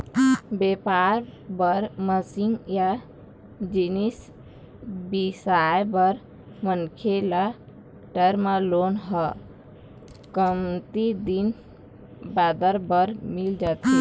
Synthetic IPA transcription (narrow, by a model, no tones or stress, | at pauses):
bepaɾbəɾməsiŋɡja | d͡ʒinis | bisajbəɾ | mənkʰela | ʈəɾmalonɦə | kəmt̪id̪in | bad̪əɾbəɾmild͡ʒat̪i